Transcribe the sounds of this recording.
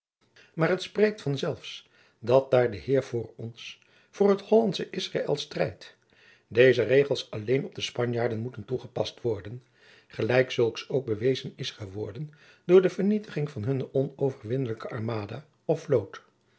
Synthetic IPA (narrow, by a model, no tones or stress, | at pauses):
maːɹɦətsprejk̚tfɑnzɛlˠfs | dɑt̚daːɹdəɦɪːɹv̥ʊːɹɔns | v̥ʊːɹɦəthɔlɑntsəʔɪsra̰ːʔɛ̰lˠstrɛjt | dejzərejχəlˠsɑlejnɔb̚dəspɑɲjaːɹdənmutəntuχəpɑstʋɔɹdən | χəlɛjksɵlˠksowɡ̚bəʋejzənɪsχəʋɔɹdən | dʊːɹdəvəɹnitəχɪŋvɑnɦɵnɔnowvəɹʋɪnələkəɑɹmaːda | ɔflowt